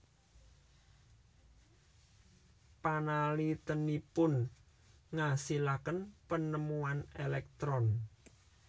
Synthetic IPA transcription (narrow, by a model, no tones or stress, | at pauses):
panalit̪ənipʊn | ŋasilakənpənəmuanelɛk̚t̪ɾɔn